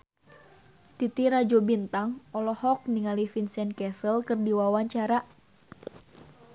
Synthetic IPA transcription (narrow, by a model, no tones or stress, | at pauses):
t̪it̪iɾad͡ʒobint̪aŋɔlɔhɔk̚niŋalifinsɛnkɛsəlkərdiwawaɲt͡ʃaɾa